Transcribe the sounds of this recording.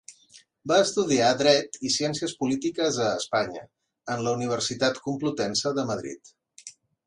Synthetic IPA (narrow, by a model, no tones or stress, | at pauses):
baəst̪uðiaðɾɛt̪isiɛnsiəspulit̪ikəzəːspaɲə̰ | ənləuniβ̞ərsit̪at̪kumplut̪ɛnsəðəməðɾḭt̪